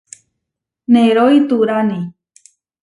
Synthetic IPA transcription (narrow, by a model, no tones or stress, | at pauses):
nẽɾoit̪uɾanẽ